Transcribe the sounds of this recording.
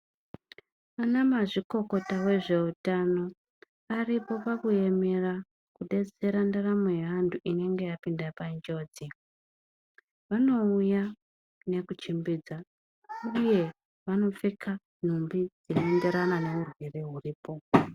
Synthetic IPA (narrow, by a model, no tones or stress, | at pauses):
anamaʐiko̞ko̞tawe̞ʐe̞utano̞ | aripo̞pakuje̞me̞ra | kuɗe̞t͡se̞ɾandaramweantʰuʔine̞ŋɡe̞japindapand͡ʒo̞d͡zi | ʋano̞uja | ne̞kut͡ʃimbiːd͡za | uje̞ | ʋano̞fikʰa | n̤umbid͡zinende̞ɾanane̞urwereɦuriːpo̞